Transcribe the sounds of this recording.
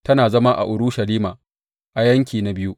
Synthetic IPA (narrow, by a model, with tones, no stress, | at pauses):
tɐ˦naː˨zɐ˦ma˦ʔa̰˨ʔʊ˨ɾʊ˦ʃɐ˨liː˦maː˨ | ʔa˨jɐ˦ŋkʲiː˨na˨bɪ˦ju˦ʔ